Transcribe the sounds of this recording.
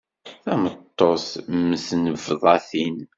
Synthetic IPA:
θæmət̪ˤːosməsnəvðˤɑθin

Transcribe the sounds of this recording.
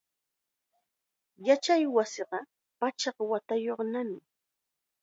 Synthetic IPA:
jat͡ʃajwasɪɢɑ | pat͡ʃɑqwat̪ajoχnamɪ

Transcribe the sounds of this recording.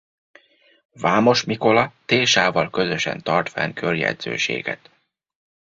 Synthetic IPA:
vaːmo̞ʃmiko̞lɒt̪eːʃaːvɒlkø̞zøʃɛ̰nt̪ɒrt̪fɛ̰ŋkʰørjɛ̰d̪z̥øːʃḛːɡɛ̰t̪

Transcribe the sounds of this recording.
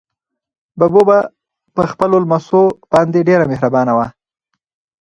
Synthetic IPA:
baboba | pəxpəlolmasob̥ɑnd̪eɖeɾamehɾabɑnawa

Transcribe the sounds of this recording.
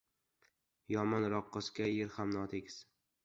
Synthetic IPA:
jɒmɒnɾɒqːɨskʲajeɾhamnɒt̪ʰekʲs

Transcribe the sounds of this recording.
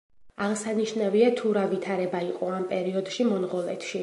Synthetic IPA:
aʁsaniʃnaviat̪ʰuɾavit̪ʰaɾɛbaiqʼɔampʼɛɾiɔd̪ʃimɔnʁɔlɛ̰t̪ʰʃi

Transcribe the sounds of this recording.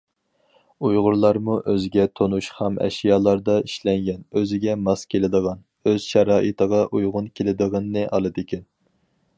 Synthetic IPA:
ujʁʊɾlˠɑɾmuʔøzɪɡʲɛt̪ʰonuʃχɑmʔɛ̰ʃijɑːlˠɑɾd̪ɑiʃlɛŋɡʲɛnøzɪɡʲɛmɑskʲʰelɪd̪əʁɑn | øz̥ʃɛɾɑːʔɨt̪ʰəʁɑʔujʁʊnkʲʰelɪd̪əʁənːɨʔɑlˠɨd̪ɪkʲʰɛn

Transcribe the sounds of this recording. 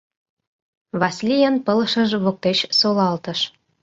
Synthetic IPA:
βɑslʲijənpə̆lʃə̆ʒβok̚t̪et͡ɕsolɑlt̪ə̆ʃ

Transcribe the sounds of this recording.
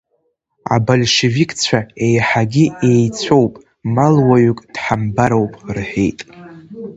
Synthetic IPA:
a̰bolʲʃevikʼt͡sʷʰae̞jħaɡʲiejt͡sʷʰo̞wpʼ | malwaɥykʼd̥ħambaɾowpʼrħḛjtʼ

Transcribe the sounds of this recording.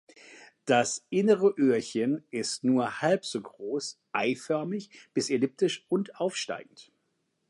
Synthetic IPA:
d̥asʔɪnəʁəʔøːɐçənʔɪstnuːɐhalpz̥oːɡʁoːsʔaɪfœɐmɪçb̥ɪselɪp̚tɪʃʊntʔaʊfʃta̰ɪɡŋ̩t

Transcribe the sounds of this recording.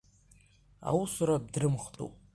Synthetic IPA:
a̰wusuɾab̚drɨmχtʼṵpʼ

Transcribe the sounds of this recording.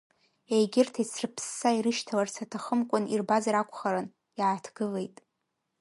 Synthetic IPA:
ejɡʲɪrtʰaisʰrɨpʰsːaiɾɨʃtʰalarsʰatʰaχəmkʷʼʊnirbazaɾakʷʰʼχaɾɨn | jaːtʰɡ̥ɨle̞jtʼ

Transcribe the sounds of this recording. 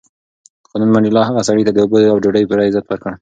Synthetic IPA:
xɑnanmaɳɖɪlɑɦaɣasɑɽit̪ad̪əubod̪əawd͡ʒoɖəjpəɾɑɪzat̪wəɾkəɽ

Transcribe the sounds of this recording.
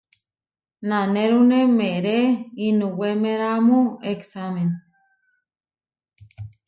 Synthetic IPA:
naneɾunemeɾeinũwemeɾamueksamen

